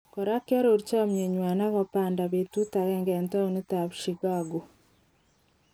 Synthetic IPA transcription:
koɾa˦ka˦ɾo˨ɾit͡ʃa˦mje˨ɲwa˨na˦βapaːndaβetu˦ta˨ɣɛː˦ŋɡe˨nta˦one˦taβiʃiɡaɡo˨

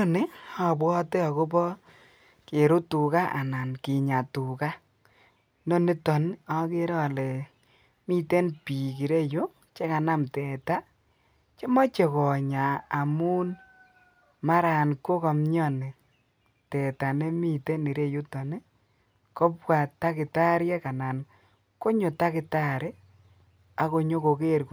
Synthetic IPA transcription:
o˦nɪ˦a˨bwɔ˦tɛ˦ɔ˨ko˦bɔ˦ | ke˨ɾʊ˦tu˨ka˦ʔa̰˨na˨nkɪ˨ɲa˨tu˨ka˦ | no˦ne˦tɔ˨n˦ɔ˨˦ke˦ɾɔ˦˨lɛ˨ | mi˦te˦npi˨ki˨ɾe˦jo˦ | t͡ʃe˦ka˨na˦mtɛ˨ta˦ | t͡ʃe˦mɔ˦t͡ʃe˨kɔ˨ɲaː˨mu˦n | ma˦ɾa˨nko˦kɔ˨mɲɔ˦ne˨ | tɛ˨ta˨ne˦mi˦te˦ni˨ɾe˦˨jo˦tɔ˨ne˦ | kɔ˦pwa˨ta˦kɪ˨ta˦ɾjɛ˦ka˨na˨n | ko˦ɲo˨ta˦kɪ˨ta˦ɾe˦ | a˨ko˧ɲo˦ko˨ke˦˨ɾk

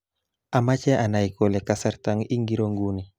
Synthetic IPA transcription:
a˨ma˦t͡ʃɛ˦ʔa˨na˨i˨ko˨lɛ˨ka˦sa˦ɾt̪a˦ŋi˦ŋɡi˦ɾo˦ŋɡu˦ni˨

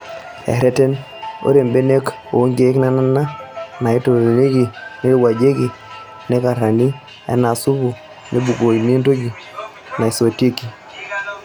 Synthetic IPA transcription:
ɛ̰˨ɾɛ˦tɛ˦n | o̰˦ɾe˨mbe˦ne˦k | o˨˦ŋɡe˦kna˦na˦na˦na˨i˦to˨ɾe˨ne˦ki˨ne˦wa˨d͡ʒe˦ki˨ | nɛ˦ka˨ɾa˨ni˦ | ɛ̰˦na˨su˦βu˨ | nʔe˦bu˨ko˨i˨n˦e˦nto˦ɡi˨ | na˨i˨so˨te˦ki˨

